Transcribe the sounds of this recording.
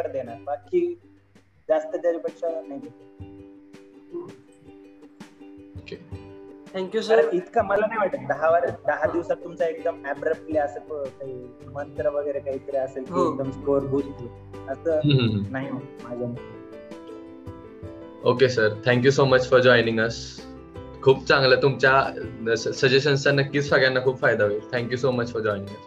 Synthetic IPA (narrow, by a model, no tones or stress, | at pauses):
kəɾd̪enaɾbakːiː | d͡zast̪ət̪aɾipəkʂanaɦit̪e | oket̪ʰŋkjusəɾit̪kaməlanaɦiʋaʈːəd̪əɦaʋəɾd̪əɦad̪iʋsat̪̚t̪umt͡saek̚d̪əmæbɾəp̚ʈljaəsəpəkaɦiː | mənt̪ɾəʋəɡəjɾekaɦiːt̪əɾeəselkɦiẽk̚d̪əmskoɾbʱud͡zt̪lə | ətəːɦɦɦnaɦiomad͡zʱəm | okesəɾt̪ʰɛ̃ŋk̬jusomət͡ɕfɔɾd͡ʑɔjnĩŋɡəs | kʰuːb̚t͡sãŋɡlət̪umt͡ɕjasəsəd͡ʑeɕənt͡ɕanəkːiːt͡ssaɡjanːakʰuːpfajd̪aʋet̪ʰɛ̃ŋkjusomət͡ɕfɔɾd͡ʑɔinĩŋɡəs